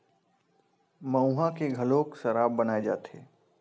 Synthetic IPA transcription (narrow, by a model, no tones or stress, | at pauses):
mɐ̃ũɦãkeɡʱɐlõːkʃɐɾaːbːɐnaːed͡ʒa̰ːt̪ʰḛː